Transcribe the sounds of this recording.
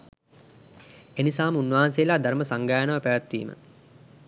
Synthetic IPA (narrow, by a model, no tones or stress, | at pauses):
enisaːmunʋaɦansejːlaːd̪aɾməsaŋɡaːjənəʋəpæʋat̪ʋḭːmə̰